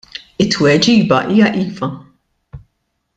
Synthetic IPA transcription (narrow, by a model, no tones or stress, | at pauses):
ɪt̪ːwɛd͡ʒiːbɐʔiːjɐʔiːvɐ